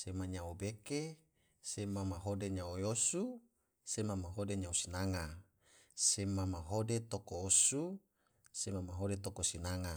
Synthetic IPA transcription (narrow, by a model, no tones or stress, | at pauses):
semaɲaobeke | semamaɦodeɲaojosu | semamaɦodeɲausinaŋa | semamaɦodet̪okoːsu | semamaɦodet̪okosinaŋa